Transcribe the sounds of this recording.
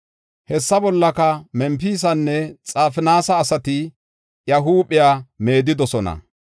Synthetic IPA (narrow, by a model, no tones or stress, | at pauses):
hɛsːɐbɔlːɐkɐmɛmpiːs̬ɐnːɛt͡sʼaːfɪnaːsɐːsɐt̪ɪ | jɐɦuːpɪjaːme̞ːd̪ɪd̪ɔsɔnɐ̰